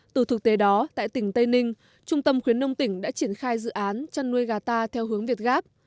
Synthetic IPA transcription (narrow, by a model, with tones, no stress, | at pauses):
t̪ɨ˨˩t̪ʰɨ˨˩k̚t̪e˨˦ɗɔ˨˦t̪a̰ː˧˨jt̪ï˧˩ŋ̟t̪ə˧jnï˧ŋ̟ | t͡ɕʊ˧ŋ͡mt̪ə˧mxwi˨˦ənːə˧wŋ͡mt̪ï˧˩ŋ̟ɗa̰ː˧˥t͡ɕi˧˩ənxaː˧jzɨ̰˧˨ʔaː˨˦nt͡ɕa˧nːu˧əjɣaː˧˩t̪aː˧t̪ʰɛ˧wɦɨ˨˦əŋvi˨˩ət̚ɣaː˦˥p̚